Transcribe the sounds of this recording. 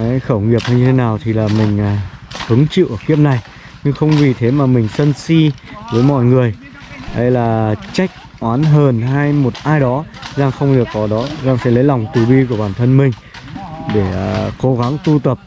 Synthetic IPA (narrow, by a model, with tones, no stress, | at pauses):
a˨˦jxəː˧˩wŋi˨˩əp̚na˧ɲɨ˧t̪ʰe˨˦naː˨˩wt̪ʰi˨˩laː˨˩mï˨˩ŋ̟aː˨˩hɨ˨˦əŋt͡ɕḭ˧˨ʔəː˧˩ki˦˥əp̚na˨˩j | ɲɨ˧ŋxə˧wŋ͡mvi˨˩t̪ʰe˨˦maː˨˩mï˨˩ŋ̟sə˧nsi˧vəː˨˦jmɔ̰˧˨jŋɨ˨˩əj | ʔə˨˧jlaː˨˩t͡ɕa˦˥jk̚ | ʔwaː˨˦nɦəː˨˩nɦaː˧jmo˨˩t̚ʔaː˧jɗɔ˨˦zaː˧ŋxə˧wŋ͡mɗɨ˨˩ək̚ːɔ˨˦ɗɔ˨˦zaː˧ŋfɛ̰˧˥lə˨˦jla˨˩wŋ͡mt̪ɨ˨˩ɓi˧ku˧˩əɓaː˧˩nt̪ʰə˧nmï˨˩ŋ̟ | ɗe˧˩˨ko˨˦ɣa˨˦ŋt̪u˧t̪ə˨˩p̚